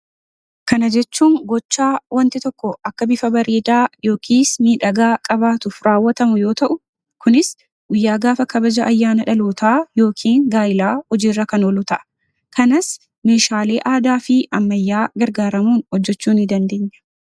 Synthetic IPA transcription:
kɐnɐd͡ʒɛt͡ʃːuːŋɡɔt͡ʃːaːwʔɐnt̪ɪt̪ɔkːɔɐkːɐbɪfɐbɐɾeːd̪aːjo̞ːkʰiːsmiːᶑɐɡaːkʼɐbaːt̪ʊfɾaːwːɐt̪ɐmʊjo̞ːt̪ɐʔʊ | kʰʊnɪs | ɡʊjːaːɡaːfɐkɐbɐd͡ʒɐʔɐjːaːnɐᶑɐloːt̪aːjo̞ːkʰiːŋɡaːjɪlaːhɔd͡ʒiːrːɐkɐnoːlʊt̪ɐʔɐ̥ | kɐnɐs | meːʃaːle̞ːʔaːd̪aːfɪɐmːɐjːaːɡɐɾɡaːɾɐmuːnhɔd͡ʒːɛt͡ʃːuːnɪd̪ɐnd̪e̞ːɲːɐ̥

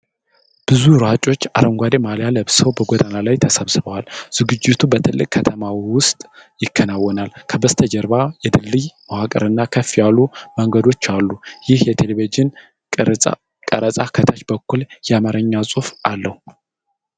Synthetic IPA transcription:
b̥ɨzuɾat͡ʃʼo̞t͡ʃːa̰ɾəŋɡʷad̪emaljaləβsəwbəɡʷod̪analajt̪ʰəsəβsɨβəwalz̥ɨɡɨd͡ʒːɪt̪ʰubət̪ʰɨlːɨkʼkʰːət̪ʰəmawiwʊst̪ʼjɪkːənawːɔnalkʰəbəst̪ʰəd͡ʒəɾbajɛd̪ɨlːɨjmawakʼə̰ɾɨnːakʰəfːijalːuməŋɡəd̪o̞t͡ʃːalːujɪhjɛt̪ʰelevid͡ʒɪn | kʼəɾət͡sʼakʰət̪ʰat͡ʃbəkːuljɛamaɾəɲːasʼufalːəhu

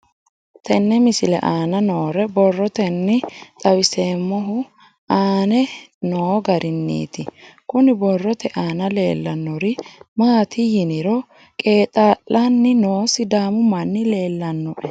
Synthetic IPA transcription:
t̪ɛnːɛmɪsɪlɛ̰ʔaːnɐnoːɾɛbɔrːɔt̪ɛnːɪt̪ʼɐwɪse̞ːmːɔɦʊ | aːnɛnoːɡɐɾɪnːḭːt̪ɪkʊnɪbɔrːɔt̪ɛʔaːnɐle̞̰ːlːɐnːɔɾɪmaːt̪ɪjɪnɪɾɔ | kʼe̞ːt̪ʼaːlʔɐnːɪnoːsɪd̪aːmʊmɐnːɪle̞ːlːɐnːɔʔɛ

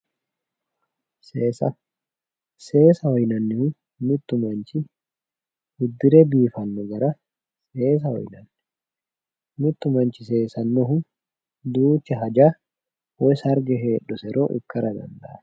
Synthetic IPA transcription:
seːsɐ | se̞ːsɐhɔjnɐnːɪhʊ | nʊt̪ːʊmɐnt͡ʃɪ | hʊd̪ːɪɾɛbiːfɐnːɔɡɐɾɐ | se̞ːs̬ɐhɔ̰jnɐnː | nʊt̪ːʊmɐnt͡ʃɪse̞ːsɐnːɔɦʊ | d̪uːt͡ʃːɛɦɐd͡ʒaː | wɔsɐɾd͡ʒɛɦeːᶑːɔsɛɾʔo̰ːʔɪ̰kːɐɾɐd̪ɐ̰nd̪ɐ̰ʔɐ̥

